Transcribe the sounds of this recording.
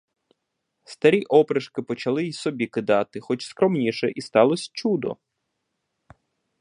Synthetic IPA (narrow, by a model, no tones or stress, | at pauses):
st̪ɐɾʲiʔɔpɾɪʃkɪpɔt͡ʃɐlˠɪsɔbʲikɪd̪ɑt̪ɪxɔt͡ʃskɾɔmnʲiʃɛʔist̪ɑlˠɔsʲt͡ʃud̪ɔ̰